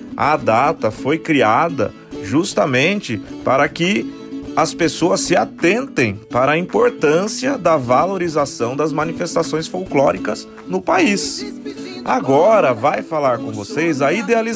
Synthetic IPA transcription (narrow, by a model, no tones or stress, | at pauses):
ɐ̰d̪at̪ɐfojkɾiad̪ɐ̰ | ʒust̪ɐmẽnt͡ʃɪpaɾɐkɪ | ɐspesoɐsːɪat̪ẽnt̪ẽj̃paɾɐĩpoɾt̪ɐ̃siɐd̪ɐvaloɾizasɐ̃w̃d̪ɐzmɐ̃nifest̪asõj̃sfowklɔɾikɐz | nʊpais | a̰ɡɔɾɐvajfalaɾkõvosejzɐid̪eali